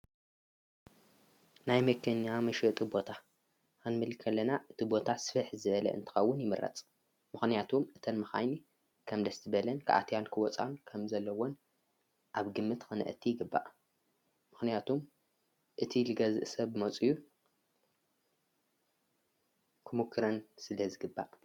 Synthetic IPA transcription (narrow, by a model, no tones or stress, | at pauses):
najmɐkʰenjamɐʃɨt̪ʼɨbo̞t̪ʰa | anmɨlkʰːɐlːɐnaʔɨt̪ʰibo̞t̪ʰasɨ̥fɨħzɨβɐlɐ̰ʔɨ̰nt̪ʰɨ̥xɐwːʊnjɪmɨrɐ̰t͡sʼ | mɨxnijat̪ʰumɨt̪ʰɐnmɨxa̰jni | kʰɐmd̪ɐst̪ʰɨβɐlɐnkʰɨ̰ʔa̰t̪ʰjankʰɨwɔt͡sʼa̰nkʰɐmzɐlːɐwo̞n | ʔaβɡɨmːɨt̪xɨnɐ̰ʔɨ̰t̪ʰːijɪɡɨbːa̰ʔ | mɨxnijat̪ʰum | ʔɨt̪ʰilɨɡɐzɨ̰ʔsɐβmɐt͡sʼɨjːu | kʰɨmukʰːɨɾɐnsɨlɐzɨɡɨbːa̰ʔ